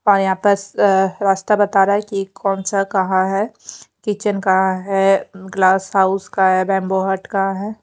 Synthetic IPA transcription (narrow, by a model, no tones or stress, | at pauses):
ɔːɾjɐɦãːpəɾɾaːst̪abɐt̪aːɾaɦɛkikʰɔːnsakɐɦãɦɛkit͡ʃənkaɦãɦɛɡlaːsɦaʊskaɦɛbɛ̃ːmboɦəʈkaaɦɛː